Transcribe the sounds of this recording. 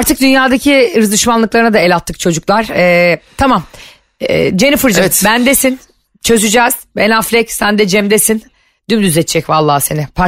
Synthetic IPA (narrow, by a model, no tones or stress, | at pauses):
aɾt̪ʰɯk̚d̪ynjaːd̪acʰiɾɯzɯʃmanlˠɯklˠaɾɯnad̪aɛlʲat̪ʰːɯk̚t͡ʃʰo̞d͡ʒuklˠaɾ̥ɛːt̪ʰamam̰ː | d͡ʒe̞nifɯɾd͡ʒabænd̪esin | t͡ʃʰø̞zyd͡ʒɛːz̥benaflʲɛcsænd̪ɛd͡ʒɛmd̪esin | d̪ymd̪yzɛt͡ʃt͡ʃʰːɛcvalˠːaːse̞nɪpʰa